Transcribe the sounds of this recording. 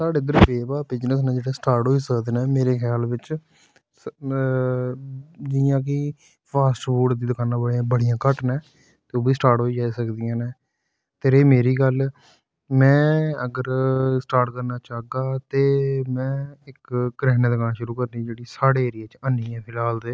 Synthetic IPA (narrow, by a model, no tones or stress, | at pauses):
saːɽeːɪd̪əɾbeːʋaːbɪd͡ʒnəsnẽːd͡ʒeːɽeːsʈaːɾʈɦoːiːsəkd̪eːneːmeːɾeːkʰjaːlʋɪt͡ʃ | d͡ʒɪjãːk̬ɪ | pʰaːsʈbuːʈd̪iːd̪ʊkʰaːnãːbəɽãːbəɽijãːkəʈnɛ̃ː | t̪eːoːbiːsʈaːɾʈɦoːiːd͡ʒaːiːsəkd̪ijãːnẽː | t̪eɾeːmeːɾiːɡəl | mɛ̃ːəɡəɾsʈaːɾʈkəɾnaːt͡ʃaːɡaːt̪eːmɛ̃ːɪkːɾɛːnẽːd̪əkaːnaːʃʊɾuːkəɾniːd͡ʒeːɽiːsaːɽeːeːɾɪjaːt͡ʃənijãːpʰɪlaːld̪eː